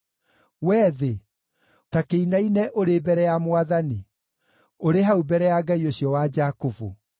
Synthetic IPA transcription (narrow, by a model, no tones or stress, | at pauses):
wɛːðe | takeinainɛʔoɾebɛɾɛjamwaðani | oɾeɦaubɛɾɛjaɡaioɕjɔwad͡ʒakovu